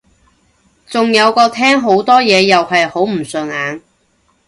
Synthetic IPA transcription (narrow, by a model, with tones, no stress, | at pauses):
t͡sʊ˨ŋjɐ˨˧wkɔː˧t̪ʰɛː˥ŋɦo˨˥wt̪ɔː˥jɛː˨˧jɐ˨whɐ˨jho˨˥wm̩˨˩sɵː˨ŋaː˨˧n